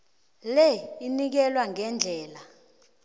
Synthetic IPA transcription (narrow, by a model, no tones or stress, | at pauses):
leinik̬ɛlwaŋɛnd͡ɮʱɛːla